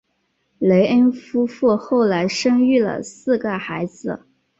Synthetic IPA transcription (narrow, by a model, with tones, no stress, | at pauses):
le˧˥ɪʔə˥nfu˥fu˥˩˧xo˥˩ʊla˧˥ɪʂɤ˥ŋy˥˩lə̰˩sɹ̩˥˩ɡə˩xa˧˥ɪd͡zɹ̩˧